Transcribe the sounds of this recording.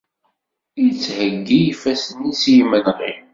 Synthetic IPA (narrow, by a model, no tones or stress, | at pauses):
it͡sːhəɡːijifæsənːisjimənʁi